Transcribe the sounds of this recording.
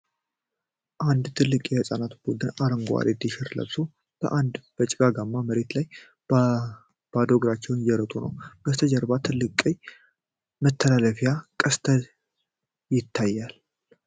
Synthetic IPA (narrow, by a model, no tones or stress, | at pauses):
ʔand̪t̪ʰɨlːɨkʼjɛhəsʼanat̪b̥ud̪ɨnaɾəŋɡa̰ɾed̪iʃɪɾlə̰βso | b̥ə̰ʔand̪b̥ət͡ʃʼɪɡaɡamːaməɾe̞t̪laj | b̥ad̪oɡɾat͡ʃːɛwnjɛɾət̪ʼunə̰wb̥əst̪ʰəd͡ʒəɾbat̪ʰɨlːɨkʼːej | mət̪ʰːəlaləfijakʼəst̪ʰə | jɪt̪ʰːajːal